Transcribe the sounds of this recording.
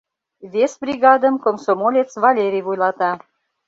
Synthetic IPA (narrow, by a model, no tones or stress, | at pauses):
vesbrʲiɣɑd̪əmkomsomolʲet͡svɑlʲeɾʲijvujlɑt̪ɑ